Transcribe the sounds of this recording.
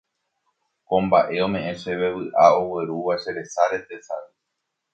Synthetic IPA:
kõ̞mbaʔe̞õ̞mẽ̞ʔẽʃeβe̞βɨʔao̞weɾuʋaʃe̞ɾe̞saɾe̞t̪e̞sa̰ɾi

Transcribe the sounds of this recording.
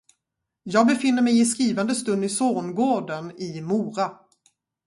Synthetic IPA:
jɑːɡ̚bɛfɪnːəɾmɛjɪskɾiːvand̪əst̪ɵnd̪ɪsoːnɡoːɖənɪmuːɾa

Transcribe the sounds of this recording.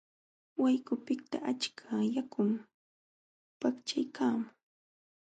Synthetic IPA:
wajkʊpɪk̚t̪a̰ʔat͡ʃkʰajakʊm | pakt͡ʃajkʰaːmʊ

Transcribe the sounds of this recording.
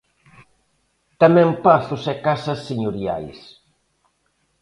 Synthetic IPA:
t̪amɛ̃mpaθʊsɛkasɐsːeɲoɾia̰js

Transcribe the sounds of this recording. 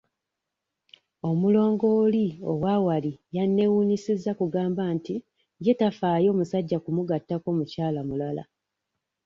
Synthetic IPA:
o̞mulo̞ːŋɡo̞ːlio̞̰wawalijanːe̞wuːnisizːakuɡaːmbanti | je̞tafaːjo̞ːmusaɟːakumuɡatːako̞mucaːlamulala̰

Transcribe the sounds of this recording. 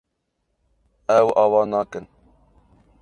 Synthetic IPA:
ɛwɑːwɑːnɑːkən

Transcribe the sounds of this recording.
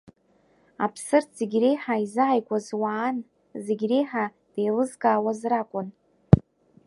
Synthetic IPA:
a̰pʰsɨrtʰz̥eɡʲrejħaizɨʕajkʷʼazwaːn | zeɡʲrejħa | d̥ejlɨzkʼaːwazrakʷʼʊn

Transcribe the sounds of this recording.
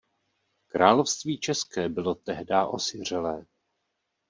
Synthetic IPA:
kɾʔaːlo̞fst̪viːt͡ʃɛskɛːbɪlo̞t̪ɛɦdaːʔosɪr̝ɛlɛː

